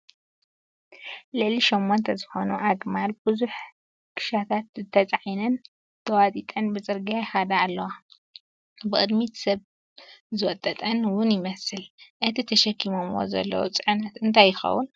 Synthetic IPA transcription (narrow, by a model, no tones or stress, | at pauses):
lɨʕliʃomːont̪ʰɐzɨxo̞nuʔaɡmalbɨzuħ | kʰɨ̥ʃat̪ʰat̪t̪ʰɐt͡sʼʕinɨn | t̪ʰɐwat̪ʼit̪ʼɐnbɨt͡sʼɨɾɡeħad̪aalːɐwa | bɨkʼɨd̪mit̪sɐβ | zɨwɔt̪ʼːɐt̪ʼɐnwʊnjɪmɐsɨlʔɨt̪ʰit̪ʰɐʃɐkʰːimomwo̰zɐ̰lːɐ̰wṵt͡sʼɨʕɨnɐt̪ɨnt̪ʰajːɪxɐ̰wːun